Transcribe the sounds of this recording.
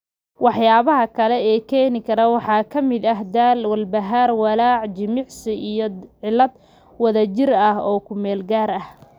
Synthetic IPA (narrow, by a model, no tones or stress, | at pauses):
wɑħjaːβɐɦɐkʰɐlɛɛːkʰɛːnɪkʰɐɾɐwɑħɑːkʰɐmɪd̪ɐɦd̪aːlwɐlbɐɦaːrwɑlɑːʕd͡ʒɪmɪʕsɪʔijɔʕɪlːɐd̪ | wɐðɐt͡ʃɪrɐhɔːkʰʊmɛːlɡaːɾɐh